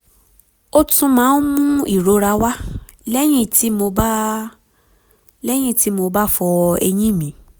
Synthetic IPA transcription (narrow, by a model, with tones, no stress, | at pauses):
o˧tũ˧mãː˨˦n˦mũ˦i˦˨ɾo˨˦ɾa˧wa˦ | lɛ˦j̃ĩ˦˨ti˨˦mo˧ba˦ | lɛ˦j̃ĩ˦˨ti˨˦mo˧ba˦fɔ˧ɛ̰˧j̃ĩ˦˨mĩ˨˦